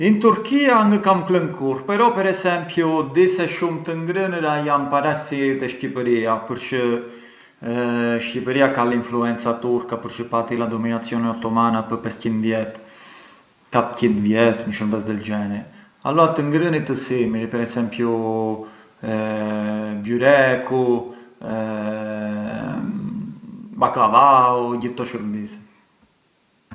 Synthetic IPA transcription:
int̪uɾkianəkamkləŋkʰuɾpɛɾɔpɛɾɛsɛmpjud̪isɛʃumt̪əŋɡɾəniɾajampaɾasiɾit̪ɛʃcipəɾiapəɾt͡ʃə | ʃcipəɾiakalinfluɛnt͡sat̪uɾkapəɾt͡ʃəpat̪ilad̪ɔminat͡sijɔnɛat̪ɔmanapəpɛscind̪vjɛt̪ | kat̪cind̪vjɛt̪nəʃəɾmbɛsd̪ɛld͡ʒɛni | a̰lɔat̪əŋɡɾənit̪əsimiɾpɛɾɛsɛmpju | bjuɾɛku | baklavauɟiθt̪ɔʃəɾmbis

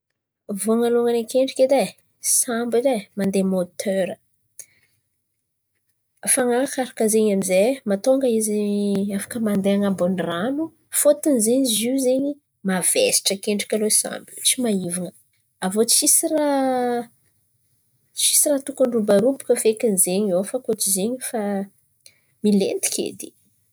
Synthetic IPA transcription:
voŋaloŋanekeɳɖ͡ʐiked̪e | sambizemand̪emot̪ʰøɾə | faŋakaɾakəzeɲamizemat̪oŋɡəiziafḁkəmand̪eaŋabonranu | fot̪inzeɲizizeɲi | mavḛsi̥ʈ͡ʂəkeɳɖ͡ʐikʲaloisa̰mblut͡simaivaŋə | avot͡sʃisira | ʃi̥sirat̪ukuɳɖ͡ʐubaɾupu̥kəfekinizeɲofakot͡ʃizeɲifa | milḛnt̪i̥kʲʰḛd̪i̥

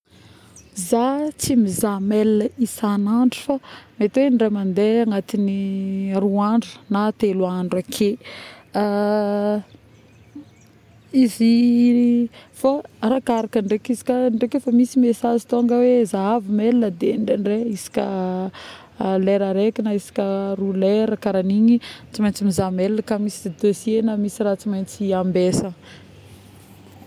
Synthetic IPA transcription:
zat͡simizamelinəisanaɳɖ͡ʐufamet̪wenɖ͡ʐemand̪eaŋat̪iniaɾuaɳɖ͡ʐu̥nat̪eluaɳɖ͡ʐakʰe | izi | farakaɾakəɳɖ͡ʐekizi̥kaɳɖ͡ʐekefamisimesazit̪oŋɡəwezaavimelinəd̪eɳɖ͡ʐeɳreisi̥kʲə̰ | leɾaɾekinaisi̥kʲəruleɾəkaɾaniɲit͡simajnt͡simizameləkamisid̪ed̪osienəmisiɾat͡simajnt͡siambesə

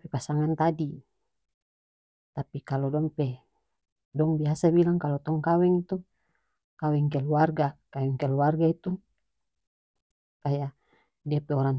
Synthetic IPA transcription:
pɛpasaŋant̪adi | t̪apikalɔdɔŋpɛ | dɔŋbiasabilaŋkalɔt̪ɔŋkawɛŋit̪u | kawɛŋk̬ɛlwarɡakawɛŋkɛluwarɡait̪u | upaja | diapɛɔɾaŋ

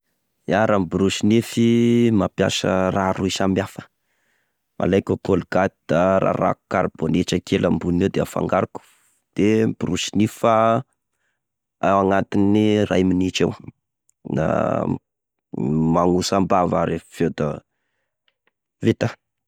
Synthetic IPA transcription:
aɾambuɾuʃinifimapja̰sə̰raɾuisamiafə̥ | mʔa̰lajkʲokolɡat̪id̪̥aɾa̰ɾa̰ku̥kaɾb̥onit͡ʃəkʰelambunewd̪eafa̰ŋɡaɾuku̥ | d̪̥ebuɾuʃinifa | awaŋat̪inirajminit͡ʃew | na̰ | maŋusambavaɾeffewd̪a | vet̪a

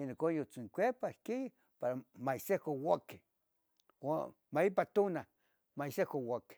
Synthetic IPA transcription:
inokojot͡siŋkʷeɾpahki | paɾamajsekowake̥ | wa | maipat̪ona | maisekowake̥

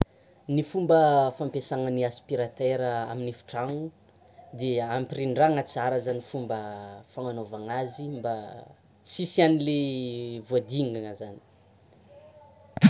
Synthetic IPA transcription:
nifumbəfampesaŋəniaspiɾat̪eɾəa̰minifi̥ʈ͡ʂaŋu | d̪eampiriɳɖ͡ʐaŋət͡saɾəzanifumbəfaŋanovaŋazimba | t͡sisianilevuad̪iŋaŋəzani̥

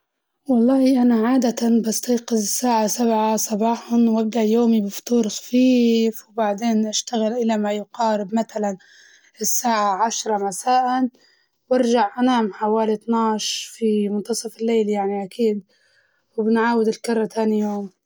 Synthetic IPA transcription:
wɑlˤːɑːiʔanaʕaːd̪at̪anbast̪ɑjqɪzɪsːaːʕasabʕasˤɑbɑːħʊnwʔab̚d̪aʔjoːmibɪft̪uːɾxḁfiːfwbaʕd̪eːnʔaʃt̪aɣɪlʔɪlamajʊqɑːɾɪb̚mat̪alan | ɪsːaːʕaʕaʃɾˤɑmasaːʔan | wɑɾʒaʕʔanaːmħawaːlit̪naʕʃfimʊnt̪ɑsˤɑfɪlːeːljaʕniʔakiːd̪̚ | wɪbɪnʕaːwɪd̪ɪlkɑɾˤːɑt̪ʰaːnijoːm

